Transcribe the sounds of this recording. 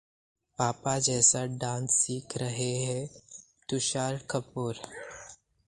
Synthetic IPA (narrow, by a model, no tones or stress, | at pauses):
paːpad͡ʒɛːsaɖãːnsːiːkʰɾɐɦeɦɛ̃ | t̪ʊʃaːɾkəpuːɾ